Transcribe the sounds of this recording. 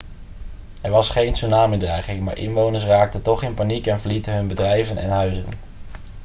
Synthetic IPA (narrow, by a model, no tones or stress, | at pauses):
ɛɹʋɑsχejnsunaːmɪdrɛjχɪŋma̰ːɹʔɪ̰nʋownəɹs̬raːk̚tətɔχɪnpanikɛnvəɹlitəɦɵnbədrɛjvənɛ̰nɦœɥzən